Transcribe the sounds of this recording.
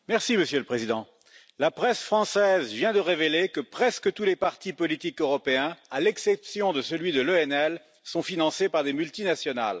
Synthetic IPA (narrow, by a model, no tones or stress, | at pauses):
mɛʁsiməsjøləpχezid̪ɑ̃ | lapχɛsfχɑ̃sɛzvjɛ̃d̪əʁevelekəpχɛskət̪ulepaʁt̪ipɔlit̪ikøʁɔpeɛ̃alɛksɛpsjɔ̃d̪əsəlɥid̪əløɛnɛl | sɔ̃finɑ̃sepaʁd̪emylt̪inasjɔna̰l